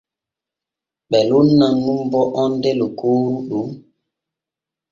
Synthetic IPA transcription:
ɓɛlunːaŋumbɔʔɔndelukuɾuɗu

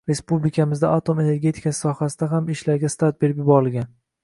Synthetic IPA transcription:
ɾe̞spublɪkʲʰamɪzd̪aʔat̪ʰome̞ne̞ɾɡʲe̞t̪ʰɪ̥kʰʲassɒhasɪd̪aɦamɪʃlaɾɡʲast̪ʰat̪̚be̞ɾɪpjɪbɒɾɪlɡʲan

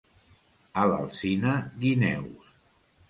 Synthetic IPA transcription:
ala̰lˠsinaɣinɛ̰ws

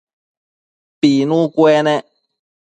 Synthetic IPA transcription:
pinũkwɛnɛ

